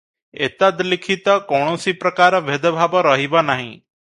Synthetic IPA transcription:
ḛt̪ad̪lɪkʰit̪ɔkɔɳ̃osipɾəkaːɾɔʋed̪bʱaːbɔɾəɦibanaɦḭ̃

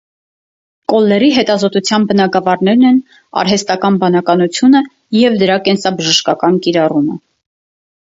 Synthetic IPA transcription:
kɔlːɛɾiɦɛt̪ɑzɔt̪ut͡sʰjɑnbənɑɡɑvɑɾnɛɾnɛn | ɑ̰ɾɦɛst̪ɑkɑnbɑnɑkɑnut͡sʰjunə | jɛvd̪əɾɑkɛnsɑbəʒəʃkɑkɑnkiɾɑrumə

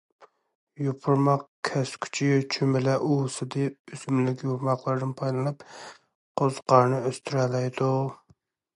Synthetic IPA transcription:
jopʰʊɾmɑqkʲʰɛskʲʰy̥t͡ʃʰit͡ʃʰymɪlɛʔusɨd̪ɨysmlɪkʲjoɾmɑqlˠɨɾd̪ɨnpʰɑjlˠɨnɨp | qʰozqʰɑɾnɨøst̪ʰyɾɛlɛjd̪u

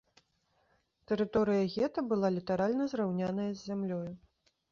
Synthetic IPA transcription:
t̪ɛɾɨt̪ɔɾɨjɐɣʲɛt̪ɐbɨlˠalʲit̪aɾalʲnɐzɾawnʲanɐjɐzʲːamlʲɔju

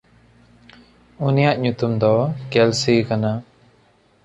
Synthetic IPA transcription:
unijaʔɲut̪umd̪ɔkɛlsikana

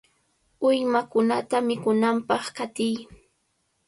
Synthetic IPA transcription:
ʊjmakʊnat̪amɪkʊnampɑχkat̪ɪj

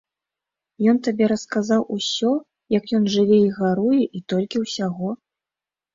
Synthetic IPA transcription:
jɔnt̪abʲɛɾɐskazawusʲɔ | jɐkjɔnʐɨvʲɛiɣaɾujɛʔit̪ɔlʲkʲiwsʲaɣɔ

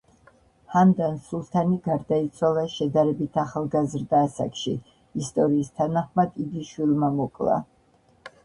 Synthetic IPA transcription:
hand̪ansulˠt̪ʰaniɡaɾd̪ait̪sʰwalˠaʃɛd̪aɾɛbit̪ʰaχalˠɡazɾd̪aːsa̰kʼʃi | ist̪ʼɔɾiːst̪ʰanaχmad̪id̪iʃwilˠmamɔkʼlˠa̰

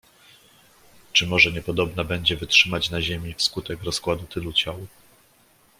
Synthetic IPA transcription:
t͡ʂɘmɔʐɛɲɛpɔd̪ɔbnabɛɲd͡ʑɛvɘtʂɘmat͡ɕnaʑemʲifskut̪ɛkɾɔskwad̪ut̪ɘlut͡ɕawu

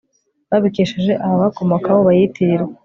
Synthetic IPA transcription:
βaβikiʃeʒe̞ʔaaβakomokawoβajitʰiɾwe

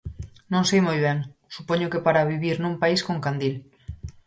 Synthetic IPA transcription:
nõŋsejmojβ̞eŋsupoɲokepaɾaβiβiɾnũmpaiskoŋkand̪il

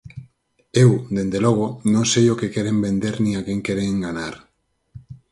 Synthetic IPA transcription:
ewd̪end̪eloɣ̞onõŋsejokekeɾembẽnd̪eɾnĩakeŋkeɾeŋɡanaɾ

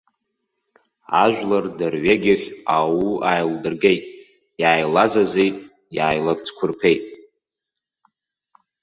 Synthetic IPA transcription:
a̰ʒᶣʷlardɨrɥeɡʲɪχʲawuajldɨrɡe̞jtʼ | jaːjlazazejʼ | jaːjlakʼt͡sʰkʷʰʊrpʰejtʼ

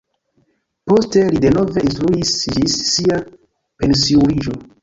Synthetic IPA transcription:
po̞ste̞lide̞no̞ve̞ʔinstɾuisd͡ʒisːia | pe̞nsiuɾid͡ʒo

